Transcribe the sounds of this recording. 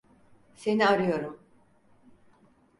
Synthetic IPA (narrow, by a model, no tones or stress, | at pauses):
se̞niaɾɯjo̞ɾum